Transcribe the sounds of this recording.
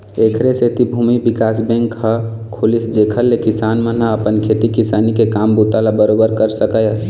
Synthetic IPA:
ekʰɾeset̪ibʱumibikasbɛ̃ŋkɦə | kʰolisd͡ʒekʰəlːekisanmənɦə̃əpənkʰet̪ikisanikekambut̪alabəɾobəɾkəɾsəkəj

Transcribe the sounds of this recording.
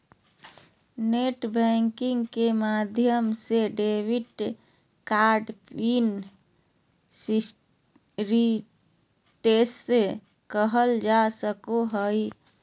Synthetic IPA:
neʈbɛ̃ŋkɪ̃ŋɡkemad̪ʱjəmseɖeʋiʈ | kaɾɖpin | s | ɾi | ʈesse | kəɦəld͡ʒasəkoɦəi

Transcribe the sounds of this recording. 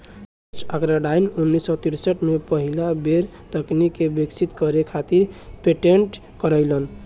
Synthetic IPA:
t͡ʃʰakɾaɖajnunːisːɔt̪iɾsəʈmepəɦilabeɾ | t̪əknikebekt͡ʃʰit̪kəɾekʰat̪iɾpeʈeɳʈ | kəɾəɪlən

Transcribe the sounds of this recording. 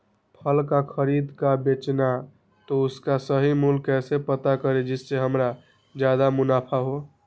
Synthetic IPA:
pʰəlkakʰəɾid̪kabet͡ʃna | t̪ɔʊskasəɦimulkːɛsepət̪akəɾed͡ʒɪsːeɦəmɾa | d͡ʒjad̪amunapʰaɦo

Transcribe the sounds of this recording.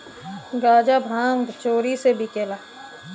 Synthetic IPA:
ɡaːd͡ʒabʱãːŋɡt͡ʃoːɾisebʱikeːlaː

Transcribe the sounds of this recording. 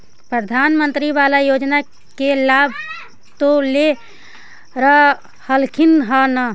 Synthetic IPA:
pɾəd̪ʱanmənt̪ɾiβalajod͡ʒna | kelabʱ | t̪ole | ɾə | həlkʰinɦənə

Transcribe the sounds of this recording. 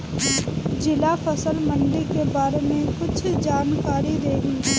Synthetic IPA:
d͡ʒɪlafɐsəlmɐ̃nlikebaːɾemẽkʊt͡ʃʰd͡ʒaːnkaːɾid̪eːɡi

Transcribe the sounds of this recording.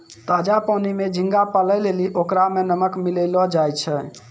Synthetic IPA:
t̪ad͡ʒapənimed͡ʒʱĩŋɡapələleliʔokɾamenəməkmiləlɔd͡ʒajt͡ʃʰɛ

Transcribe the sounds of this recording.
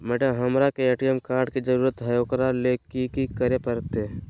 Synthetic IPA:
mɛʈəɦɐmɾakeeːʈijəmkaːɾɖkid͡ʒəɾuːɾət̪ɦɐjoːkɾaleːkikikəɾepəɾt̪e

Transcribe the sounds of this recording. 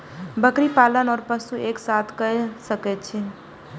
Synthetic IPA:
bəkɾipalənɔːɾpəsueksat̪ʰkəsəkɛt͡ʃʰi

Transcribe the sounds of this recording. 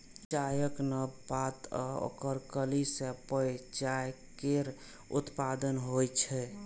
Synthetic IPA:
t͡ʃajəknəbat̪o̰kəɾkəlisepəjt͡ʃaj | keɾ | ṵt̪pad̪ənɦojt͡ʃʰɛ

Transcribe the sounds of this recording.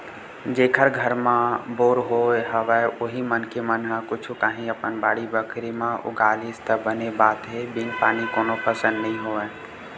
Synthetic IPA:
d͡ʒeːkʰəɾɡʱəɾmãboːɾɦoeɦəʋɛoɦimənkemənɦãkʊt͡ʃʰukaːɦĩəpənbaːɽibəkʰɾimãʔʊ̰ɡaːlist̪əbənebaːt̪ɦebiŋɡpaːnikoːnopʰəsə̃nd̪nəɦĩɦoʋɛ

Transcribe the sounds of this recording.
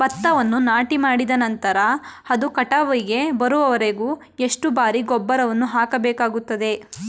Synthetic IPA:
bɐt̪ːɐʋɐnːunaːʈimaːɽid̪ɐnɐnt̪ɐɾɐɐd̪ukɐʈaʋɐjiɡe̞bɐɾuʋɐʋɐɾeɡuː | eʂʈubaːɾiɡɔbːɐɾɐʋɐnːuɦaːkɐbɛːkaːɡut̪ːɐd̪e̞

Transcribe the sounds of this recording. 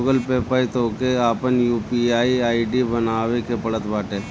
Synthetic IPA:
ɡəlpepait̪oːkeaːpənjuːpiaːiaːiɖibənaːʋekepɐɭət̪baːʈeː

